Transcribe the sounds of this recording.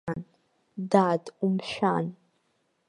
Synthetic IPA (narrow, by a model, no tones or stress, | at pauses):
n | daːdʼumʃʷᶣan